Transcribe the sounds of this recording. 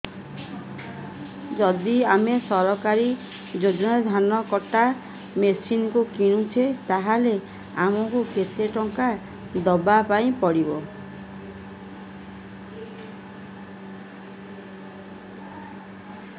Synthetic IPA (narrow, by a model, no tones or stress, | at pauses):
d͡ʒɔd̪iamesɔɾɔkaɾi | d͡ʒod͡ʒɔnad̪ʱanɔkɔʈa | mesinkukiɽ̃ũt͡ʃʰet̪aɦale | amɔkukʰet̪eʈɔŋka | d̪ɔbapaĩpɔɽibɔ